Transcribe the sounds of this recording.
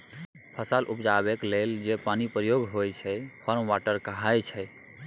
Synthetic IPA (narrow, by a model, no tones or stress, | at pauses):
pʰəsalʔupd͡ʒabekleld͡ʒepanipɾəjoɡɦojt͡ʃʰɛpʰəɾmʋaʈəɾkaɦajt͡ʃʰɛj